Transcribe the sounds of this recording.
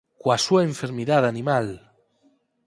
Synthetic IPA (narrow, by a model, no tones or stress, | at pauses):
kwasuaeɱfeɾmiðaðanĩmal